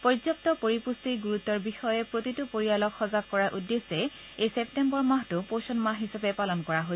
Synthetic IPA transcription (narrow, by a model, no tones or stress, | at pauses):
pɔzɔp̚tɔpoɹipustiɡuɹut̪ːɔɹbixɔjɛpɹotitʊpoɹialɔkxɔzakkːɔɹaʔudːesɛ | ejseptembɔɹmaɦtʊposɔnmaɦɦisabɛpalɔnkɔɹaɦo